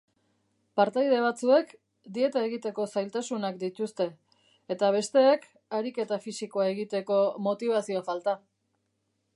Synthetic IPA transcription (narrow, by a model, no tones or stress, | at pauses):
paɾt̪ajð̞e̞β̞at͡sue̞k | d̪ie̞t̪aeɣit̪e̞ko̞sajlt̪asunak̚d̪it̪ust̪e̞ː | t̪aβ̞e̞st̪e̞ːk | aɾike̞t̪afisiko̞ae̞ɣit̪e̞ko̞mo̞t̪iβ̞asio̞falt̪a